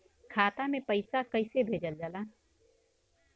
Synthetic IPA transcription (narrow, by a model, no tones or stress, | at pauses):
kʰaːt̪amẽpəɪsakəɪsebʱeːd͡ʒəld͡ʒəlaː